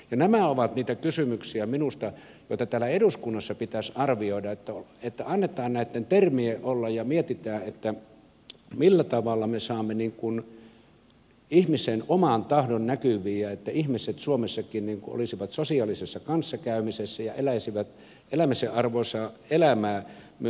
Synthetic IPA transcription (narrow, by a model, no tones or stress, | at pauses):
jɑnæmæoʋɑt̪niːt̪ækysymyksiæminust̪ɑ | joˑit̪ɑt̪æːlːˑæeɾuskunːɑsːɑpit̪æsɑrʋioidɑet̪ːæoet̪ːæɑnːet̪ˑɑːnnæˑit̪ːent̪ermieʔʔolːɑjjɑmiet̪it̪æːʔet̪ːæ | milːæt̪ɑʋɑlːɑmesɑːmːeniːŋkun | ihmisenomɑnt̪ɑhdonnækyʋˑiːæet̪ːæihmiset̪suomesːɑkinniŋkuo̰lisiʋɑt̪sosiɑlisesːɑkɑnsːɑkæˑymisesːæjɑʔelæisiʋæt̪ | elæmiseʔʔɑrʋoˑisɑelæmæː | m